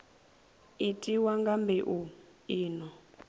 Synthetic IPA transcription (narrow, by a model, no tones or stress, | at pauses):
itʼiwaŋɡambɛʔu | iːnɔ